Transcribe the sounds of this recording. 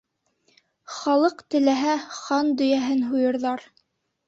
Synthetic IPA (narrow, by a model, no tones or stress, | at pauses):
χɑlˠɤqt̪ɘ̆læɦæχɑnd̪ɵ̆jæɦɘnɦujɤ̆ɾðɑɾ